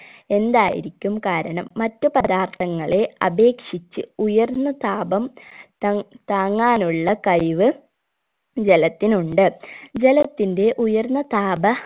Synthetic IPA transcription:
e̞nd̪aːjḭɾikʲːumkaːɾɐɳɐmːɐtːɨpɐd̪aːrt̪ʰɐŋːɐɭe̞ɐbe̞ːkʂit͡ɕːɨujɐrnːɐt̪aːbɐm | t̪aːŋːaːnuɭːɐkɐjʋɨ | d͡ʑe̞lɐt̪ːinuɳɖɨd͡ʑe̞lɐt̪ːinde̞ʔujɐrnːɐt̪aːbɐ

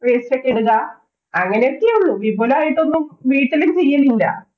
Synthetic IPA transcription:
ʋeːsɐʈːiɽuɣa | ɐŋːɐneokːiuɭːuʋiboːlaːjiʈ̪ːo̞nːumʋiːʈːilumt͡ɕe̞jːɐlillɐ̰

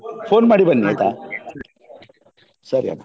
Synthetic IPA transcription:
foːnmaɽibənːia̰jt̪a | səɾija̰na

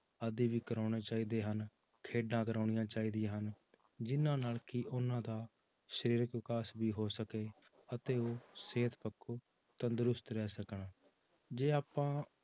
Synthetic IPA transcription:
əd̪iːʋiːkəɾaːɽeːt͡ʃaːiːd̪eːɦən | kʰeːɖãːkəɾaːɳɪijãːt͡ʃaːiːd̪ijãːɦən | d͡ʒɪnãːnaːlkɪʔʊnãːd̪aː | ʃəɾiːɾəkʋɪkaːsbiːɦoːsəkeː | ət̪eːoːseːt̪pəkʰːuː | t̪ə̃nd̪ɾʊst̪ɾɛːsəkɳaː | d͡ʒeːaːpãː

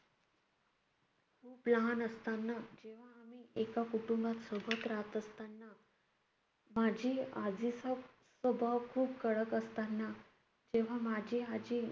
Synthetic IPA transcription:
kʰuːplanəst̪anːad͡ʑeʋ̤aːmiːekakuʈumbat̪səbʱət̪ɾat̪əst̪anːa | mad͡ʑʱiːad͡zisa | səbʱəkʰuːpkəɽəkəst̪anːa | d͡ʑeʋ̤amad͡ʑʱiːad͡ʑʱi

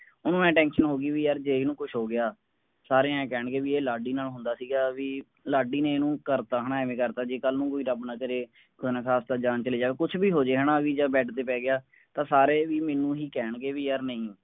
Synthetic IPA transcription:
ʊnũːmɛ̃ːʈɛ̃ːnʃənɦoːɡiːʋiːəɾd͡ʒeːiːnũːkʊt͡ʃʰɦoːɡɪjaː | saːɾeːɛ̃ːkɛːɳɡeːʋiːeːlaːɖiːnaːlɦʊ̃nd̪aːsiːɡaːʋiː | laːɖiːneːnũːkəɾt̪aːɦəɳaːʋẽːkəɾt̪aːd͡ʒeːkəlnũːkoːiːɾəbnaːkəɾeː | kʊnãːkʰaːst̪aːd͡ʒãːnt͡ʃəleːd͡ʒaːʋeːkʊt͡ʃʰbiːɦoːd͡ʒeːɦənaːʋiːd͡ʒaːbɛːʈt̪eːpɛːɡɪaː | t̪ãːsaːɾeːʋiːmẽːnũːɦiːkɛːɳɡeːʋiːjəɾnəĩː

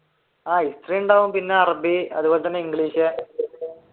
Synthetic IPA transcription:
aːistriːɳɖaʋumpinːeɐrɐbiɐ̰ðuboːlet̪ɐnːeiŋɡɭiːɕe

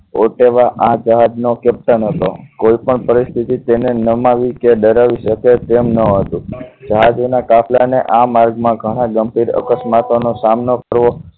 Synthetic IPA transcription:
oʈeʋaʔãd͡ʒəɦad͡ʒnokep̚ʈ̪ənɦət̪o̰koipəɳpəɾist̪ʰit̪it̪enenəmaʋikeɗəɾaʋiʃəket̪emnəɦət̪ũd͡ʒəɦad͡ʒonakafʰlaneʔamaɾɡmãɡʱəɽ̃ãɡəmbʱiɾə̰kəsmat̪onosamnokəɾʋo

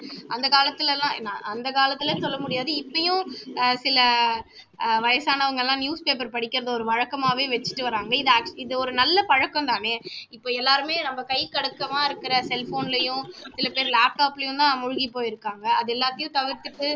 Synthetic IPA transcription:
ʔɐnd̪ɐkaːlɐt̪ːɪlɐlãːna̰ɐnd̪ɐkaːlɐt̪ːɪlɐsɔlːɐmʊɽɪjaːðɯɪpːɐjʊ̃sɪlɐ | ʋɐjɐsaːnɐɐʋɐŋɡɐɛlːãːnjuːspeːp̬ɐɾpɐɽɪkʲːɪɾɐðɐɔɾɯʋɐɻɐkːɐmaːʋeːʋɛt͡ʃːɯ̥ʈːɯʋɐɾaːŋɡɐɪðɐk̚ɪðɯɔɾɯnɐlːɐpɐɻɐkːɐ̃nt̪aːneːɪpːoːɛlːaːɾɯmeːnɐmːɐkɐɪkɐɽɐkːɐmaːɪɾɯkːɪɾɐsɛlfoːnlɐjʊ̃sɪlɐpeːɾlaːp̚ʈaːpɪlɐjʊ̃t̪ãːmʊɻʊɣipːoːjɪɾɯkːaːŋɡɐɐðɯɛlːaːt̪ːɐjʊ̃t̪ɐʋɪɾt̪ːɯʈːɯ

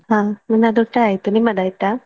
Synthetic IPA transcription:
ɦãmunad̪uʈajt̪unimad̪ajt̪a

